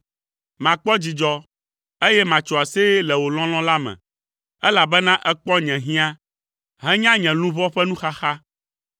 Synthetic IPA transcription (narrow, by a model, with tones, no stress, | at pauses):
mã˨k͡pɔ˦d͡ʑi˨d͡ʒɔ˦ | e˦jɛ˦mã˨t͡ʃɔ˨a˨se˦lɛ˨wo˨l̃ɔ̃˦l̃ɔ̃˦la˦mɛ̰̃˨ | ɛ˦la˨bɛ˦nã˦ʔɛ˦k͡pɔ˦ɲɛ̃˨ɦĩ˦ã˦ | ɦɛ̃˦ɲã˦ɲɛ̃˨lũ˦vɔ˦ɸɛ˦nũ˦xa˦xa˦